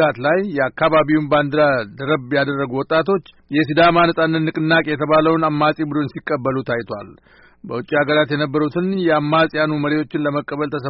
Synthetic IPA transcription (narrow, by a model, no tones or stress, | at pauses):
at̪lajːɛakːaβaβiwumband̪ɨɾad̪əɾəbjad̪ərːəɡuwɔt̪ʼːat̪ʰo̞t͡ʃː | jɛs̬id̪amanəsʼanːɨːɨkʼɨnːakʼjɛt̪ʰəβaləwnamːasʼibɨd̪onsikʼːəbːəlut̪ʰajt̪ʰwa̰l | bəwʊt͡ʃʼːiaɡəɾat̪jɛnəbːəɾut̪ʰɨnjɛamːasʼjanuməɾewo̞t͡ʃːɪnləməkʼːəβəlt̪ʰəs̬ə